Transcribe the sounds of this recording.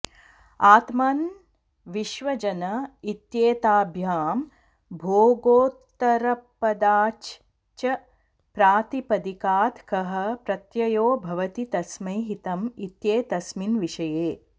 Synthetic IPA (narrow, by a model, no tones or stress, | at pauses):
aːt̪maːn | ʋiʃʋɐd͡ʒɐnɐit̪jeːt̪aːbʱjaːm | bʱoːɡoːt̪ɐɾɐpːɐd̪aːt͡ʃ | t͡ʃɐ | pɾaːt̪ipɐd̪ikaːt̪ʰkɐɦɐ̆pɾɐt̪jɐjoːbʱɐʋɐt̪it̪ɐsmɐjɦit̪ɐmit̪jeːt̪ɐsminʋiʃɐjeː